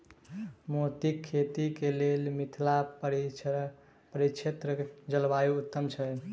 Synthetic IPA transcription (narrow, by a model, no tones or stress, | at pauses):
mot̪ikʰːet̪ikelelmit̪ʰla | pəɾit͡ʃʰet̪ɾəkd͡ʒəlbajuːt̪ːəmt͡ʃʰɛ